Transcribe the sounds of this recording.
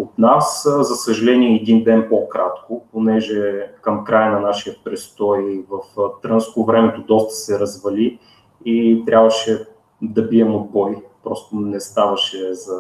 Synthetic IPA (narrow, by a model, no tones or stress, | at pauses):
ot̪naszɐsəʒɐlɛniɛːd̪ind̪ɛnpokɾat̪kʊponɛʒɛkəmkɾajənɐnaʃijəpɾɛst̪ɔjvɐft̪ɾɤnskovɾɛmɛt̪od̪ɔst̪ɐ̥sɛɾɐzvɐli | it̪ɾʲʔabvɐʃɛ | d̪ɐbiɛmod̪̚bɔjpɾɔst̪onɛst̪avɐʃɛzɐ